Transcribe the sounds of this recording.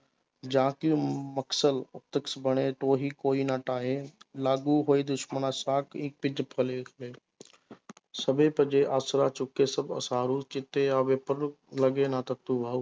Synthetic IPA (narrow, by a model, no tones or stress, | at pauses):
d͡ʒãːkɪjũmɐksəlʊp̚t̪əksbəɽ̃et̪oːɦikoːiːnaːʈaːɦeːlaːɡuɦoːed̪ʊʃmənãːsaːkĩːk̚pɪd͡ʒpʰəlekʰɐleː | sɐbʱepɐ̃d͡ʒeʔaːsɾaːt͡ʃʊkːesɐbɐ̰sãːɾuːt͡ʃɪt̪eaːʋepəɾ | lɐɡenat̪ɐk̚t̪uʋaːuː